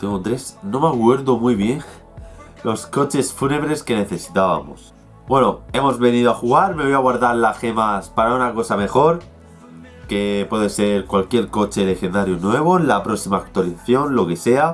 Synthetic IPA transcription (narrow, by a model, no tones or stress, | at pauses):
t̪eŋɡot̪ɾe̞sno̞makwe̞ɾðomujβje̞n | lo̞sko̞t͡ʃe̞sfune̞βɾe̞ske̞ne̞θe̞si̥t̪aβa̰mo̰s | bwe̞no̞e̞mo̞zβe̞niðoaxuɣaɾme̞βo̞jaɣwaɾðaɾlaxe̞maspaɾaunako̞same̞xo̞ɾ | ke̞pwe̞ðese̞ɾkwalkje̞ɾko̞t͡ʃe̞le̞xend̪aɾjonwe̞β̞o̞lapɾo̞ksimaːk̚t̪waliθaθjo̞nlo̞ke̞se̞a